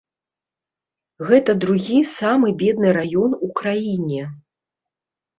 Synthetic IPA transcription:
ɣɛt̪ɐd̪ɾuɣʲisamɨbʲɛd̪nɨɾajɔnukɾajinʲɛ

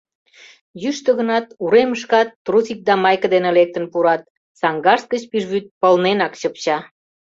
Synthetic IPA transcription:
jyʃt̪ə̆ɣə̆nɑt̪uɾeməʃ̬kɑt̪ːrusik̚d̪ɑmɑjkə̆d̪enelek̚t̪ə̆npuɾɑt̪̚ | sɑŋɡɑrs̚ɡət͡ɕpiʒβyt̪̚pəlnenɑkt͡ɕəpt͡ɕɑ

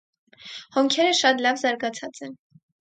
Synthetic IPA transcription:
hɔŋkʰɛɾəʃɑt̪lɑvzɑɾɡɑt͡sʰɑt͡sɛn

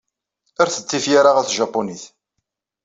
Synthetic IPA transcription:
ʊɾθə̥t͡sːifjaɾaʁæθʒɑpːoniθ

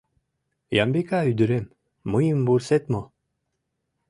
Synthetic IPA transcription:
jambekayd̪yɾemː | ɯjɯmbuɾset̪mo

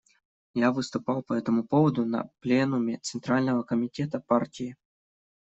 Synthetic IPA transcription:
javɨst̪ʊpɑlˠpəɛt̪əmʊpovəd̪ʊnɐ̰plʲenʊmʲɪt̪sɨnt̪ɾalʲnəvəkəmʲɪtʲe̞t̪əpartʲɪjɪ

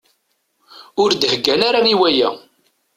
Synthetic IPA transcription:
ʊɾd̪həɡːænaɾaniwæjæ̰

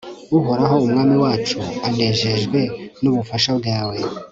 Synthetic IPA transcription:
uɦoɾaɦo̞umŋaːmiwaːt͡ʃuaneːʒe̞ʒɡwe̞nuβufaʃabɡaːwe̞

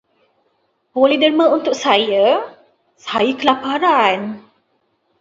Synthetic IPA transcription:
boledəɾməunt̪ʊʔ̚sajə | sajəkəlapaɾan

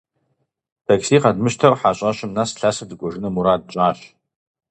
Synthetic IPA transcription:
tʰakʰsiqadmɨʃtʰarħat͡ʃʷʼaʃɪmnasɬasɨdɨkʷʼɔʐɨnɨmuɾad̚t͡ʃʷʼaːʃ

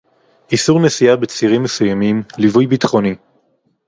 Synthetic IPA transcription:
ʔisuʁnesiabet͡siʁimːesujamimlivujbitχoni

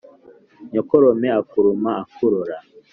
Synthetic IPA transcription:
ɲɔkɔɾɔmɛakuɾumaakʰuɾoɾa

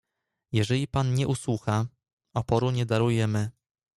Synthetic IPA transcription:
jɛʐɛlʲipanɲɛʔuswuxa | ɔpɔɾuɲɛd̪aɾujɛmɘ

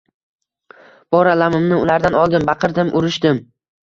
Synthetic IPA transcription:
b̥ɒɾalamɪmnɪʊlaɾd̪anɒlˠd̪ɪmbɑqʰɨɾd̪ɪmʔʊɾɪʃd̪ɪm

